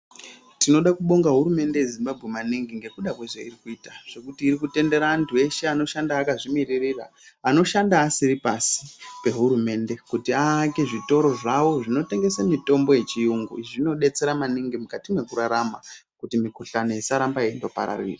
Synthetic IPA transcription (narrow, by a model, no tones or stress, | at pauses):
tino̞ɗakuɓo̞ŋɡaɦuɾume̞nde̞je̞zimbabʱɣe̞maniŋɡiŋɡe̞kuɗakweʐeirikuiːtaʐ̥e̞kutiːɾikute̞nde̞ɾaːntʰue̞ʃeano̞ʃandaːkaʐimiririra̰ː | no̞ʃandaːsiɾipasi̥pe̞ɦuɾume̞nde̞kutiaːkeʐito̞ɾo̞ʐawoʐino̞te̞ŋɡe̞samito̞mbo̞je̞t͡ʃijuŋɡṵʐino̞ɗe̞t͡seɾamaniŋɡimukatimwe̞kuɾaɾama | kutimiko̞ɬanoisaɾambaendo̞pa̰ɾa̰rḭːri